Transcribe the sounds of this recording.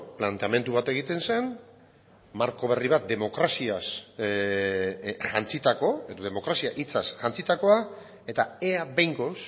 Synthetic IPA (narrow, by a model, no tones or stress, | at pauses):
plant̪e̞ame̞nt̪uβat̪e̞ɣ̞it̪e̞nse̞n | maɾko̞β̞e̞riβ̞at̪̚d̪e̞mo̞kɾasias | ʝant͡sit̪ako̞e̞ðo̞ðe̞mo̞kɾasiaʔit͡sasʝant͡sit̪ako̞a | e̞t̪aeabejŋɡo̞s